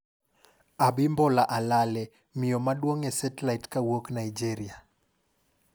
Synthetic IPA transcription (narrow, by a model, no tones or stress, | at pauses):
abimbɔlaʔalalɛ | mɪjɔmaɗwoŋɛsɛtɛlajtkawoknaid͡ʒeɾia